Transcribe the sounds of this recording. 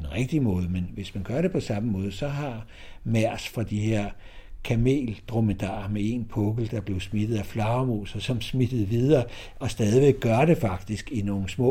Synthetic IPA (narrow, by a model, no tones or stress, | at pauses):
enʁeɡ̥̚d̥imɔ̽ːðˠəmenʋe̝smænɡ̥ɶɐɾe̝pʰɒ̽sɑ̈məmɔ̽ːð̞̩ˠəsɒ̽ɦɑ̈ | mæɐ̰sfʁɑ̈d̥iheɐ̰ | kʰæme̝̰ːld̥ʁoməd̥ɑ̰̈ːmee̝npʰɔ̽ɡ̥l̩d̥ɑ̈b̥le̝ʊsmid̥ð̞̩ˠæflɑ̈ʊmo̝̰ːsɐsɒ̽msmid̥ð̩ˠʋiðˠɐː | ɒ̽sd̥ɛːð̞ˠiʋeɡ̥̚ːɶɐɾ̥e̝fɑ̈ɡ̥d̥isɡ̥ino̝ːŋn̩smɔ̰